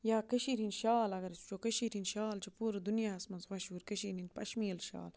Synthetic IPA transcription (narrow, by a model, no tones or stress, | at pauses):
jaːkɐʃiːɾinʃaːlɐɡɐɾt͡ʃt͡ʃokəʃiɾinʃaːlt͡ʃopuːɾɐd̪unjaːɐsmɐnzʋɐʃuːɾkɐʃiːɾinpɐʃmiːlʃa̰ːl